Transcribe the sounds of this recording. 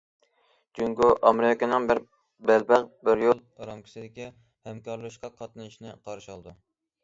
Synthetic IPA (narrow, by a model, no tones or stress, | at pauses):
d͡ʒuŋkuʔɑmeɾɪjkʲɑnɨŋbɪɾ | bælbæqbɪɾjolˠɑɾɑmkʲi̥sɪd̪ɪkʲi | hɛmkʰɑɾlˠɨʃqɑqʰɑt̪nɨʃnɪqʰɑɾɨʃɑlˠd̪u